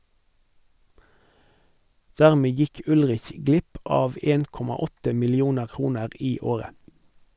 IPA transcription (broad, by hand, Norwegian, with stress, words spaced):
ˈdæʁmeː ˈjɪk ˈʉlʁɪç ˈɡlɪp ˈɑːʋ ˈeːn ˈkɔmɑ ˈɔtə mɪlɪˈuːnəʁ ˈkʁuːnəʁ ˈiː ˈoːʁə